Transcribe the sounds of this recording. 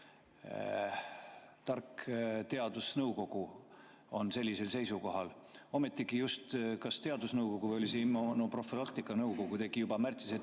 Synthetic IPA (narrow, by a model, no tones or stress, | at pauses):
t̪ɑrkt̪e̞ɑd̪̥usnɤwko̞ɡ̥u | o̞nse̞lʲːise̞lse̞jsuko̞ɦɑl | o̞me̞t̪ˑːiɡijust̪kɑst̪e̞ɑd̪usnɤwko̞ɡ̥uvejo̞liseimonopro̞filɑkt̪ikːˑɑnɤwko̞ɡ̥ut̪e̞ɡ̥ijubɑmært̪sise